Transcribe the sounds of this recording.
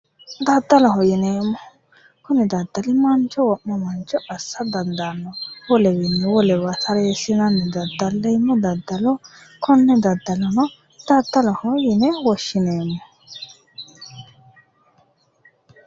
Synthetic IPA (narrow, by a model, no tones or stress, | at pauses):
d̪ɐd̪ːɐlɔɦɔjɪneːmːɔ | kʊnɪd̪ɐd̪ːɐlɪmɐnt͡ʃɔwɔʔːɔmɐnt͡ʃɔɐsːɐd̪ɐnd̪anːɔwɔlɛwɪnːɛwɔlɛwɐt̪ʰɐɾeːsɪnɐnːɛd̪ɐd̪ːɐlːɛjmːɔd̪ɐd̪ːɐlɔ | kʰɔnːɛd̪ɐd̪ːɐlɔnɔ | d̪̥ɐd̪ːɐlɐhɔjɪnɛwɔʃɪneːmːɔ